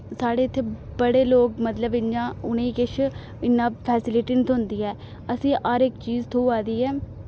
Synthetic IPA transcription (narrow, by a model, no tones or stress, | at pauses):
saːɽeːɪt̪ʰːeːbəɽeːloːkmət̪ləbɪnãːʊnẽːkɪʃʰ | ɪnːãːpʰɛːsɪlɪʈɪnt̪ʰʊ̃nd̪iːɛː | əsĩːʔaːɾɪkt͡ʃiːzt̪ʰouːaːd̪iːɛː